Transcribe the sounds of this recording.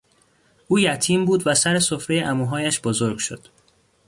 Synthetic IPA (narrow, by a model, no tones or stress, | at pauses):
ʔuːjæt̪ʰiːmbuːd̪væsæɾe̞sofɾe̞jeʔæmuːɦɒːjæʃb̥ozo̞ɾɡʃod̪̥